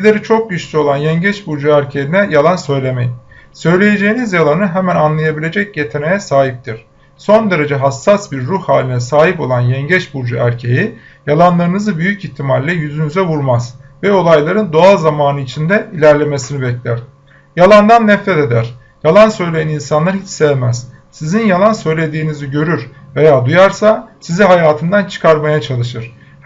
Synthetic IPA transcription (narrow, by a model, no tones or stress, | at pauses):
lʲe̞ɾit͡ʃʰo̞k̚ɟyʃlʲyo̞lˠanjɛɲɟɛt͡ʃbuɾd͡ʒuæɾcʰejinɛjalˠansø̞jlʲe̞mejisø̞jlʲe̞jed͡ʒe̞jinizjalˠanɯɦemænanlˠajabilʲe̞d͡ʒɛcje̞t̪ʰenejɛsaːɦip̚t̪ʰiɾ̥ | so̞nd̪e̞ɾe̞d͡ʒɛɦasːasbiɾːuhhaːlʲinɛsaːɦipo̞lˠanjɛɲɟɛt͡ʃbuɾd͡ʒuæɾcʰe̞ji | jalˠanlˠaɾɯnɯzɯbyjyciçt̪ʰːimalʲːɛjyzynyzɛvuɾmaz̥vɛo̞lˠajlˠaɾɯnd̪o̞alˠzamaːnɯit͡ʃʰind̪ɛilʲæɾlʲe̞me̞sinibɛclʲæɾ̥ | jalˠand̪anːɛfɾɛt̪e̞d̪æɾ̥ | jalˠansø̞jlʲejaninsanlˠaɾhit͡ʃsɛvmæz̥ | sizinjalˠansø̞jlʲe̞d̪iːniziɟø̞ɾyɾve̞jaːd̪ujaɾsasiziɦajaːt̪ʰɯnd̪ant͡ʃʰɯ̥kʰaɾmajat͡ʃʰalˠɯʃ̬ɯɾ̥